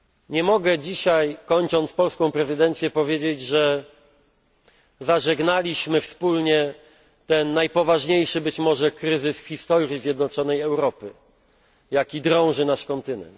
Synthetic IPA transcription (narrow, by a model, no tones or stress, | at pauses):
ɲɛmɔɡɛd͡ʑiɕajkɔɲt͡ʂɔnt̪spɔlskɔ̃w̃pɾɛzɘd̪ɛnt̪sʲjɛpɔvʲjed͡ʑed͡ʑʐɛ | zaʐɛɡnalʲiɕmɘfspulɲɛ | t̪ɛnːajpɔvaʐɲejʂɘbɘt͡ɕmɔʐɛkɾɘzɘsfxʲist̪ɔɾjʲizʲjɛd̪nɔt͡ʂɔnɛjɛwɾɔpɘ | jakʲid̪ɾɔ̃w̃ʐɘnaʂkɔnt̪ɘnɛ̰nt̪